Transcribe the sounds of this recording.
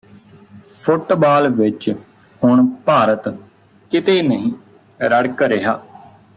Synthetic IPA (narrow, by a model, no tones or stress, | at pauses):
pʰʊʈbaːlʋɪt͡ʃhʊɳpaːɾət̪ | kɪt̪eːnəɦĩː | ɾəɽkɾeɦaː